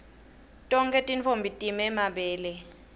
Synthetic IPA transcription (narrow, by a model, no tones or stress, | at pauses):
tʼɔŋkʼɛtʼint͡fʰombʱitʼimɛmaɓɛːlɛ